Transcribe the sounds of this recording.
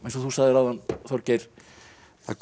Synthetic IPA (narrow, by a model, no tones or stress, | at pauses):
ɛ̃nsɔθusaɣðɪɾawðanθɔwɾcejɾ̥ | θa̰k